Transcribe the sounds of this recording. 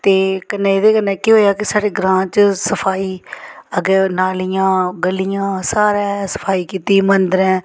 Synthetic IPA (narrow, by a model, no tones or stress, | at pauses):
t̪eːkənẽːɪd̪eːkənːɛ̃ːkiɦoːjaːkɪsaːɖeːɡɾãːt͡ʃsəpʰaːiːəɡɛnaːlijãːɡəlːɪjãːsaːɾɛːsə̥pʰaːiːkiːt̪iːmənd̪əɾɛ̃ː